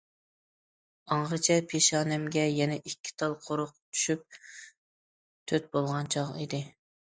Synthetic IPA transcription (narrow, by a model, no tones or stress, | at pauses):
ɑɴʁɨt͡ʃʰɛpʰeʃɑːnɛmɡʲɛjɛnɛʔikʲʰːi̥t̪ʰɑlˠqʰoɾʊq̚t̪ʰy̥ʃyp̚ | t̪ʰøt̪̚bolˠʁɑnt͡ʃʰɑʁḭd̪ɪ